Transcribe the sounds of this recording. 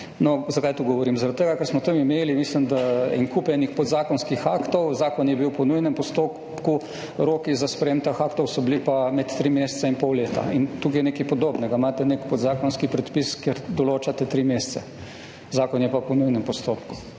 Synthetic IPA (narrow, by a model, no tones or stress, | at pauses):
nɔzakajt̪uɡɔʋɔɾimzaɾat̪t̪ːeɡakɛɾsmɔt̪əmimeːlimislimd̪aɛŋkupɛnixpɔd̪zaːkɔnskixaːkt̪ɔwzaːkɔnjɛbiwpɔnujnɛmpɔst̪oːp | ku | ɾoːkizaspɾɛeːmt̪axakt̪ɔwsɔblipamɛt̪t̪ːɾimeːst̪sainpɔwleːt̪a̰int̪ukiɛnekɛjpɔd̪oːbnɛɡamaːt̪ɛnekpɔd̪zaːkɔnskipɾɛt̪piskjeɾd̪ɔloːt͡ʃat̪ɛt̪ɾimeːst̪sɛ | zaːkɔnjɛpapɔnujnɛmpɔst̪oːpku̥